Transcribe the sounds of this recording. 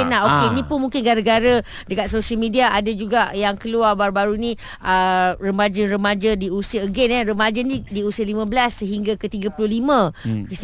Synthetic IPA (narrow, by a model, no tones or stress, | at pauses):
naokenĩpʊnmũŋkɪnɡaɾəɡaɾa | dəkat̪̚soʃəlmidiaʔadad͡ʒuɡaʔjaŋkəluarbaɾubaɾunĩ | ərəmad͡ʒənɾəmad͡ʒadiusiaəɡɛnɛrəmad͡ʒənidiusiəlimãbəlasːəɦiŋɡakət̪iɡapulʊhlimãk